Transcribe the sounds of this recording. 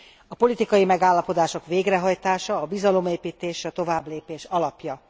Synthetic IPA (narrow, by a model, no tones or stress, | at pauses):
ɒpo̞lit̪ikɒjimɛɡaːlːɒpo̞d̪aːʃo̞kʋeːɡrɛɦɒjt̪aːʃɒːbizɒlo̞meːpiːt̪eːʃɒt̪o̞vaːbleːpeːʃɒlɒpjɒ